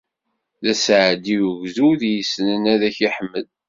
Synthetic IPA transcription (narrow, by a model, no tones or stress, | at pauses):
ðæsʕəd̪iwʝzuðjəsnənæðæçiħəmːəl